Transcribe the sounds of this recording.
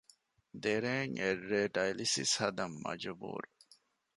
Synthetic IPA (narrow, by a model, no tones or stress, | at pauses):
d̪eɾeːŋerːeːɖɐjlisḭshɐd̪ɐmːɐ̰d͡ʒɐbṵːɾu